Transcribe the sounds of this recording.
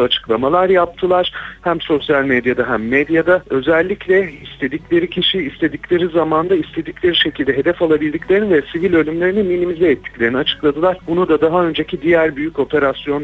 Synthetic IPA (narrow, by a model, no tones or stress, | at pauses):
at͡ʃʰɯ̥klˠamalˠaɾjap̚t̪ʰɯlˠaɾ̥hæmso̞sjalʲmed̪jad̪aɦæmːed̪jad̪aø̞zɛlʲːiclʲɛist̪ʰe̞d̪iclʲe̞ɾicʰiʃiːst̪ʰe̞d̪iclʲe̞ɾizamand̪aist̪ʰe̞d̪iclʲe̞ɾiʃe̞cʰilʲd̪ɛɦe̞d̪ɛfalˠabilʲd̪iclʲe̞ɾinvɛsivilʲølʲymlʲe̞ɾiniminimizɛːt̪ʰːi̥clʲe̞ɾiniat͡ʃʰɯ̥klˠad̪ɯlˠaɾ̥bunud̪ad̪aɦaø̞nd͡ʒe̞cʰid̪ijæɾbyjyco̞pʰe̞ɾasjo̞n